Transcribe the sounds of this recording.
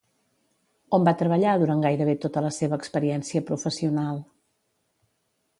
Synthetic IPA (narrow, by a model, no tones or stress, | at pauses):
ombat̪ɾəβəʎaðuɾaŋɡajɾəβet̪ot̪ələseβəːkspəɾiɛnsiəpɾufəsiunalˠ